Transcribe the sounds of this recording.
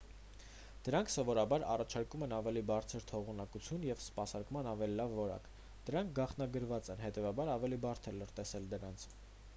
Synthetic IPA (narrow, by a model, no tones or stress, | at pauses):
d̪̥əɾɑŋkʰsɔvɔɾɑbɑɾɑ̰rɑt͡ʃʰɑɾkumɛnɑvɛlibɑɾt͡sʰəɾt̪ʰɔʁunɑkut͡sʰjunjɛvspɑsɑɾkmɑnɑvɛlilɑvːɔɾɑ̰k | d̪̥əɾɑŋk̚ʰɡɑχnɑɡəɾvɑt͡sɛnɦɛt̪ɛvɑbɑɾɑvɛlibɑɾt̪ʰɛləɾt̪ɛsɛld̪əɾɑnt͡sʰ